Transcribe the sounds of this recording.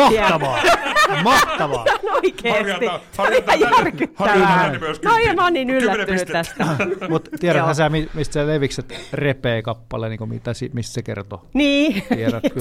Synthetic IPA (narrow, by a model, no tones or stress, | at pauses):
ɑitɑʋɑːmɑht̪ɑʋonoikeːiseoliɑjærkyt̪ːæænoimæonniːnylːæt̪ːynyt̪t̪æst̪æmut̪t̪iæɾæhæseæmimist̪seleʋikset̪repeːkɑpːɑ̰lḛniːŋkomḭt̪æsimist̪sekḛrt̪oniːieɾæk